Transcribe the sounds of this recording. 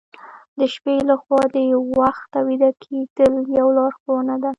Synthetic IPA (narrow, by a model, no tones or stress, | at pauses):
d̪əʃpelaxwɑd̪əawaxt̪ːawid̪akʰed̪̥əljawlɑɾxowənad̪a